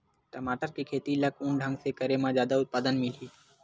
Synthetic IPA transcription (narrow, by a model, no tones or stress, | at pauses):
ʈəmaːʈəɾkikʰeːt̪iləkʰʊɳɖʱə̃ŋɡsekəɾemãzjaːd̪aʊt̪̚paːd̪ənmɪliː